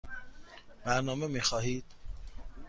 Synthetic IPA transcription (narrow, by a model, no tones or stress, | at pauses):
bæɾnɒːmemiːxɒːɦiːd̪̥̚